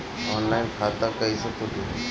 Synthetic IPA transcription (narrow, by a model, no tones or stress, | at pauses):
ɔːnlaːɪnkʰaːt̪akɐisəkod̪iɦɛ̰